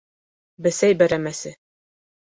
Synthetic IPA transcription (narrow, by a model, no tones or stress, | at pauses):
bɘsæjbæɾæmæsɘ